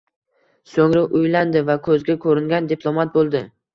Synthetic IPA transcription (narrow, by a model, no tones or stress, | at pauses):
soŋɾaʔʊjland̪ɪvakʰɵzɡʲakʰɵɾɪŋɡʲand̪ɪpʰlˠomat̪̚bolˠd̪ɪ